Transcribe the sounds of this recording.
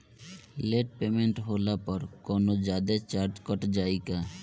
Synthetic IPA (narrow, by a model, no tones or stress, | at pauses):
leʈpemeɳʈɦolapɔɾkɔnod͡ʑad̪et͡ɕaɾd͡ʑkɔʈd͡ʑajka